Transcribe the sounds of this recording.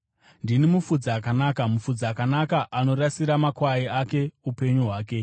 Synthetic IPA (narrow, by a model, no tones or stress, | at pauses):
ndinimufud͡zaːkanaːkamufud͡zaːkanakaʔano̞ɾasiɾamakwaiaːke̞upe̞ɲuɦwaːk̬e̞